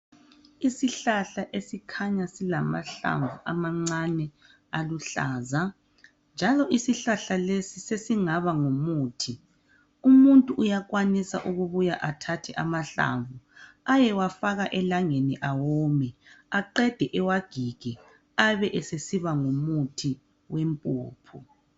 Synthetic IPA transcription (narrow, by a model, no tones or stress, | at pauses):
isiɬaɬaʔesikʰaɲasilama̰ɬa̰ɱvuʔa̰maŋ͡ǀanɛ | aluɬa̰ːza | nd͡ʒʱalɔʔisiɬaɬalesisesiŋaβaŋomuːtʰi | umuntʼuʔːjak̬wanisa̰ʔuɣuβujaʔatʰatʰɛʔamaɬa̰ɱvu | ajɛwafaɣaʔɛlaŋeniʔawɔmɛaǃɛd̥ʱɛʔɛwaɡ̥ʱiɡ̥ʱɛ | aβɛʔɛsesiβaŋomutʰi | wempʼṵːpʰu